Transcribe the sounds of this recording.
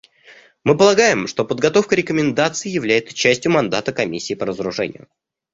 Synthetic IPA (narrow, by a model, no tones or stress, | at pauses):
mɨpəlˠɐɡajɪmʂt̪o̞pəd̪̚ɡɐt̪o̞fkəɾʲɪkəmʲɪnd̪at̪sɨɪːjɪvlʲæjɪt̪sə̥t͡ɕæsʲtʲjʊmɐnd̪at̪əkɐmʲisʲːiːpəɾəzəɾʊʐɛ̰nʲɪjʊ̰